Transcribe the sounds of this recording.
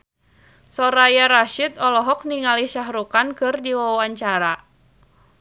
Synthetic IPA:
sɔɾajaɾaʃit̪̚ɔlɔɦɔk̚niŋaliʃaɦɾukankɨrdiwaaɲt͡ʃaɾa

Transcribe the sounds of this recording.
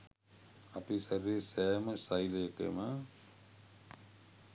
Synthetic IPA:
apisɐɾisɛːməsajlekḛma

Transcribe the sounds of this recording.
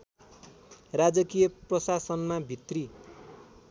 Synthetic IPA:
rad͡zʌkijʌprʌsasʌnmabʱit̪ri

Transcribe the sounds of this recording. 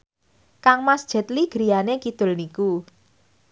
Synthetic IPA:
kaŋmasd̥ʒ̥ə̤t̪liɡ̥ɾi̤janekid̪̥ʊ̤lniku

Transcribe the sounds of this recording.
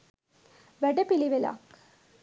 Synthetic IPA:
ʋæɖepiliʋela̰k

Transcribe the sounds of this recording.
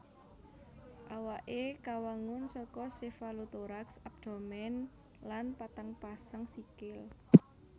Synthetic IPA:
ʔawaʔekawaŋʊnsɔkɔsefalut̪oɾaksab̚d̪̥o̤mɛn | lanpat̪aŋpasaŋsikɪl

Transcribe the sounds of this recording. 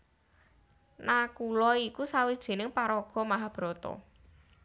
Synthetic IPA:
nakulɔikusawid̥ʒ̥e̤nɪŋpaɾɔɡ̥ɔ̤maɦab̥ɾɔt̪ɔ̰

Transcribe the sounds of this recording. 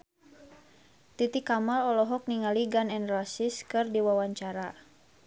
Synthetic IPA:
t̪it̪ikamalɔlɔɦɔk̚niŋaliɡanɛnrasiskɨrdiwawaɲt͡ʃaɾa

